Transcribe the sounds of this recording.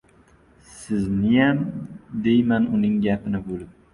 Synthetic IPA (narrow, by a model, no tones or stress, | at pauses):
sɪznɪjamd̪ejmanʊnɪŋɡʲapɪnɪbolˠɪp̚